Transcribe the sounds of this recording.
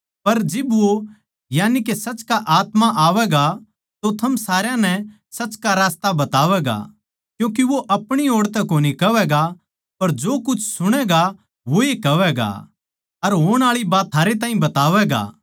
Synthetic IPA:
pɐɾd͡ʒɪbʋo | jaːnikesɐt͡ʃkaʔaːt̪maʔaːʋɛɡa | t̪ot̪ʰɐmsaːɾjãnɛ | sɐt͡ʃkaɾaːst̪abɐt̪aːʋɛɡa̰ | kjũːk̬iʋoʔɐpɽ̃ioːɽt̪ɛkoːnikɐʋɛɡa | pɐɾd͡ʒoːkʊt͡ʃʰsʊɽ̃ɛɡa | ʋoekɐʋɛɡa̰ː | ɐɾɦoːɽ̃aːɭibaːt̪t̪ʰːaːɾet̪aːĩbɐt̪aːʋɛɡa̰ː

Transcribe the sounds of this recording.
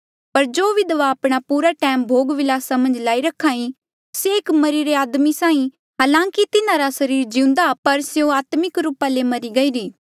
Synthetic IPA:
pɐɾd͡ʒoːʋid̪ɐʋaːpɽ̃apuːɾaʈɛːmbʱoːɡʋɪlaːsamɐ̃nd͡ʒlaːiɾɐkʰaːĩ | seːkmɐɾiɾeaːd̪misãːĩ | ɦaːlãːkit̪ɪnãɾasɐɾiːɾd͡ʒiũnd̪apɐɾseõaːt̪mɪkɾuːpalemɐɾiɡɐiːɾiː

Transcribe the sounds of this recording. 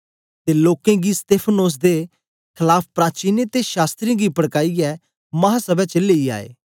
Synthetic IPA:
t̪eloːkẽɡist̪eːpʰənoːs̬d̪e | kʰɪlaːpʰpɾaːt͡ʃiːnet̪eʃaːst̪ɾĩɡipəɽkaːiɛː | mɐɦasəbɛt͡ʃəleːia̰ːḛː

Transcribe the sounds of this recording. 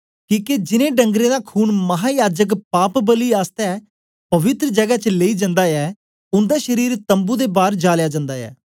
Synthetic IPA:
kĩːked͡ʒɪnẽːɖə̃ŋɡɾẽːd̪aːkʰuːnməɦaːjaːd͡ʒəkpaːpbəliːaːst̪ɛɛ | pəʋɪt̪ɾəd͡ʒəɡaːt͡ʃəleːiːd͡ʒə̃nd̪aːɛː | ʊnd̪aːʃəɾiːɾt̪ə̃mbuːd̪eːbaːɾd͡ʒaːljaːd͡ʒə̃nd̪aːɛ̰ː

